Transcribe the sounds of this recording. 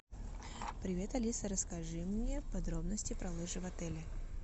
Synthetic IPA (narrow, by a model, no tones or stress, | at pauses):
pɾʲɪvʲe̞t̪ɐlʲisəɾəskɐʐɨmnʲepɐd̪ɾo̞bnəsʲtʲɪpɾɐlˠɨʐɨvɐt̪ɛlʲɪ